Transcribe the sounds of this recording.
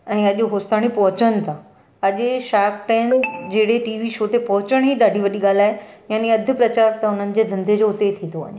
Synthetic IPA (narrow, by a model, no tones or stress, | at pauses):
ɛ̃ːɐʄɦoːst̪aːɽ̃ipɐɦʊt͡ɕəñɪ̆t̪ʰã | ɐʄʃaːkʈɛ̃ːɪnd͡ʑeːɽeʈiːʋiʃoːt̪epɐɦʊt͡ɕəɽ̃ɦiːɗaːɖʱiʋɐɗiɠaːl̤aːejaːniɐd̪ʱʊ̆pɾɐt͡ɕaːɾt̪ɐʊn̤ənɪ̆d͡ʑeːd̪ʱɐ̃nd̪ʱed͡ʑoːɦʊt̪et̪ʰĩnd̪oʋɐ̰ɲ